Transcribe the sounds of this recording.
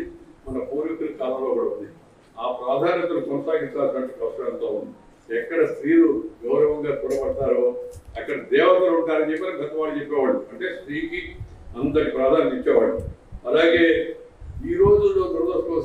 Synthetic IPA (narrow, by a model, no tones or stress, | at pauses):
mɐnɐpoːɾit̪uɾɐkaːlɐmloːkːuːɽɐund̪i | aːpɾaːd̪ʱaːnɐt̪ɐnukɔnɐsaːɡist̪aːʈʋɐɳʈikɐsʈɾɐɐnt̪oːund̪i | ɛkːɐɽɐst̪ɾiːluɡɐwɾɐʋɐŋɡaːt̪uɽɐbɐɽʈ̪aːɾoɐkːɐɽɐd̪ɛːʋɐt̪ɐɾuɳʈaːɾɐnt͡ʃepːitːnɐmɡʱɐt̪ɐmʋaːnt͡ʃɛpːɛːʋaːɽuɐɳʈe̞ːst̪ɾiːkiɐnd̪ɐɽipɾaːd̪ʱaːnɐnit͡ʃːɛːʋaːɭːuɐlaːɡe̞ː | iːɾo̞ːd͡ʒulːo̞ːd̪ɐɾd̪ɐsoː